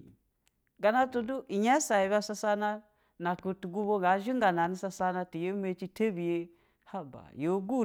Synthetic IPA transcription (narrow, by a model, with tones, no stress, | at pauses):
ɡa˨na˦to˨du˦ʔi˨ɲa˦sa˨i˨˦ba˦sa˦sa˦na˦ | na˨ku˨tu˨ɡu˦bo˦ŋɡa˨˦ʒi˦ŋɡa˨na˨ni˦sa˦sa˦na˦ti˨je˦me˦t͡ʃi˦te˦bi˨je˦ | ha˦ba̰˨jo˨˦ɡu˦˨